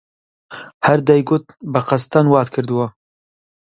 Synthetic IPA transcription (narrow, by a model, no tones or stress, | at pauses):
hæɾd̪ɛjɡʊt̪̚bɨqɐst̪anwɑːt̪kʰɨɾd̪ɨwa